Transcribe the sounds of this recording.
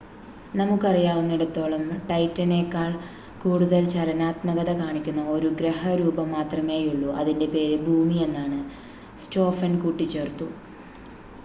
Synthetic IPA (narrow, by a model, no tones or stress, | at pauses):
nɐmukːɨɐrijaːʋunːiɽɐt̪ːo̞ːɭɐmʈɐjtːɐne̞ːkːaːɭ | kuːɽuðɐlt͡ɕɐlɐnaːt̪mɐɣɐðɐkaːɳikʲːunːɐo̞ɾuɡɾeɦɐɾuːbɐmːaːt̪rɐme̞ːjuɭːuʔɐðinde̞pe̞ːɾebʱuːmie̞nːaːɳɨ | sto̞ːfɐnkuːʈːit͡ɕːe̞ːrt̪ːu